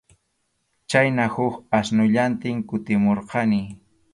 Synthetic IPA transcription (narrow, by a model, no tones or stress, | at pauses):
t͡ʃajnahʊkasnʊʎant̪ɪŋkʊt̪ɪmoɾqɑnɪ